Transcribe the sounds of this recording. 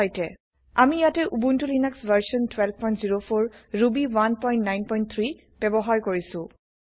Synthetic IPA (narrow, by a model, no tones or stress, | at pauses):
ɔjtɛ | amijatɛʔubuntulinaksvaɹsɔntwɛlbpɔjntziɹopʰoɹɹubiwanpɔj̃ntnajnpɔjnt̚t̪ʰɹi | b̥ɛbɔɦaɹkoɹisʊ̃